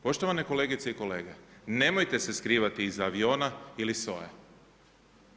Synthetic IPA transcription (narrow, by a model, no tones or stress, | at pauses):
po̞ʃt̪o̞ʋaneko̞le̞ːɡit̪seiko̞le̞ːɡene̞mojt̪e̞se̞skɾiːʋat̪iːzaʋio̞ːnailiso̞̰je